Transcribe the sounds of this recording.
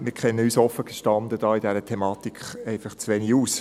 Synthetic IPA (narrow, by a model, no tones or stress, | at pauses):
mɪkʰɛnːəyːsɔfəɡ̥eʃtɑndədɑːidɛɾətʰemɑːt̪ikχɛɪfɑχt͡sʋeːniuːs